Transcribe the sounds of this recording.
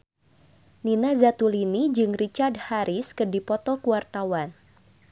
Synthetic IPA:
ninazat̪ulinid͡ʒɨŋrit͡ʃardhaɾiskɨrdipɔt̪ɔkuwart̪awan

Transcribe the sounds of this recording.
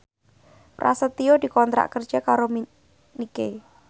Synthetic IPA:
rʔa̰sət̪iod̪̥i̤kɔnt̪ɾa̰ʔkər̥d͡ʒ̥ɛkaɾomi | nike

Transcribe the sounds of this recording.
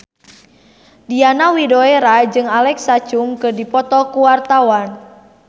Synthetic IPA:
dianawidoeɾad͡ʒɨŋalɛksat͡ʃumkɨrdipɔt̪ɔkuwart̪awan

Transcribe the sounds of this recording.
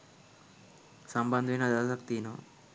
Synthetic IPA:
sɐmbɐnd̪ʱʋinɐd̪ɐsɐkt̪iːno

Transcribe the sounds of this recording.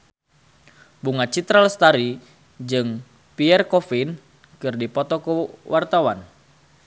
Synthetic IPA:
buŋat͡ʃit̪ɾalst̪aɾi | d͡ʒɨŋ | piɛrkɔfin | kɨrdipɔt̪ɔkuwʔart̪awan

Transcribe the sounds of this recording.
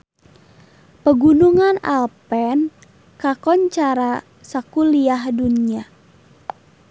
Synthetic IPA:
pəɡunuŋana̰lpɛn | kakɔnt͡ʃaɾa | sakuliahdunia

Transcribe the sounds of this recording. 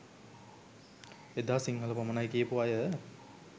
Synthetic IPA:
ed̪aːsiŋɦələpamənajkiːpuajə

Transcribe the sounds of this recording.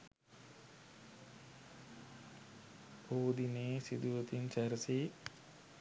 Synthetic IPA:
oːd̪ineːsḭd̪uʋət̪int͡ʃɛɾəsi

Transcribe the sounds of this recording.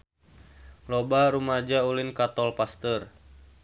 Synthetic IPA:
lobaɾumad͡ʒaulɪnkat̪ɔlpast̪ər

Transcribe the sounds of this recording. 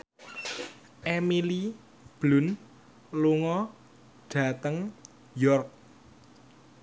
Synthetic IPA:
ʔemili | b̥lʊ̤n | luŋɔ | ɖ̥ä̤t̪əŋ | jɔrk̚

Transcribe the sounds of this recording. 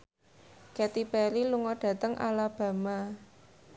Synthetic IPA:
kɛt̪ipɛɾiluŋɔd̥ä̤t̪əŋʔa̰lab̥a̤ma

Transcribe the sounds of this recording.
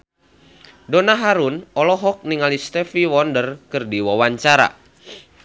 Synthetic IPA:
donaɦaɾunɔlɔɦɔk̚niŋalist̪ɛfiwɔndərkɨrdiwawaɲt͡ʃaɾa̰

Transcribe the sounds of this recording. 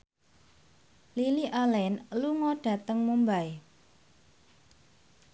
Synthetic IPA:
liliʔalɛnluŋɔɖ̥ä̤t̪əŋmumbaj

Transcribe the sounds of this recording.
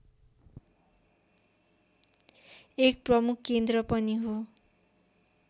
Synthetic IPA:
ek̚prʌmukʰːend̪rʌpʌniɦo

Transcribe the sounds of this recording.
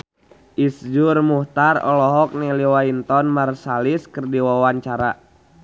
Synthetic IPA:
ʔisd͡ʒurmuht̪arɔ̰lɔɦɔk̚nɛliwaint̪ɔnmarsaliskərdiwawaɲt͡ʃaɾa

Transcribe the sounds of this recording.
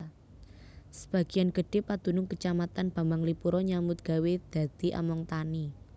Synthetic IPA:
sə̥b̥ä̤ɡ̥i̤anɡ̥ə̤ɖ̥epad̪̥ṳnʊŋkət͡ʃamat̪anb̥a̤mbaŋlipuɾɔɲamʊt̪̚ɡ̥a̤wed̪̥ä̤d̪̥i̤ʔa̰mɔŋt̪ani

